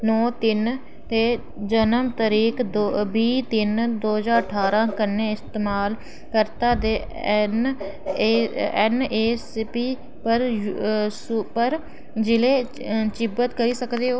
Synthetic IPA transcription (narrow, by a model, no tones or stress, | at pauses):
nɔːt̪ɪn | t̪eː | d͡ʒənəmt̪əɾiːk̪obiːt̪ɪnd̪oːəzaːɾəʈʰaːɾãːkənːeːɪst̪eːmaːl | kəɾt̪aːd̪eː | n | ɛneːspiː | pəɾ | supəɾ | d͡ʒɪleː | t͡ʃɪbət̪kəɾiːsəkd̪eːo